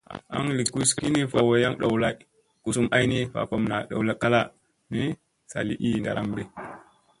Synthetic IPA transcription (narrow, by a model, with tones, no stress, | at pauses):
a̰˦ŋli˨kːu˦ski˦ni˦fa˨wa˨ja˦ŋɗo˨wla˦j | ku˨su˦mʔa˦jni˦fa̰˨fa˦mna˨ɗa̰˨wla˦kːa˦la˦ | ni˦ | sa̰˨li˦ʔi˦˨nda̰˨ɾʔa˦mbe˦